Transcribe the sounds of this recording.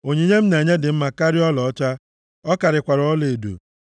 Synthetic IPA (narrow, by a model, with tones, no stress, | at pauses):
o˨ɲe˨ɲe˦m̩˦na˨ɲe˦dɪ˨m̩˦ma˨ka˦ɾɪ˦ɔ˦lɔ˨˦t͡ʃa˦ | ɔ˦ka˨ɾɪ˨kʷa˨ɾɔ˨˦le˨dṵ˨